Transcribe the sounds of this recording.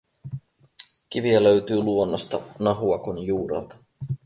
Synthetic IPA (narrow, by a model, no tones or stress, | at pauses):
k̟iʋiælø̞ɥt̪yːluo̞nːost̪ɑ̰nɑɦuɑkonjuːɾɑ̰lt̪ɑ̥